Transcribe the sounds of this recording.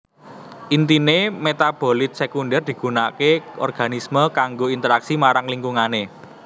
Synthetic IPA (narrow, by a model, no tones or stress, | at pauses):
ʔint̪inemet̪ab̥o̤lɪt̪̚sekundɛrd̪̥i̤ɡ̥ṳnakeɔ̰rɡ̥a̤nisməkaŋɡoint̪əɾaksimaɾaŋliŋɡuŋane